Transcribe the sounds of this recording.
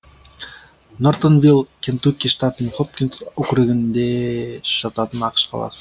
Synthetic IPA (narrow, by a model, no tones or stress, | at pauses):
nort̪onvʲilˠkʲʰent̪ukʲːiʃt̪at̪ənəχop̚kʲinsɵkʲɾɪɡʲɪnd̪eʃɑt̪ɑt̪ənɑqə̥ʃqʰɑ̰lˠɑ̰sə̥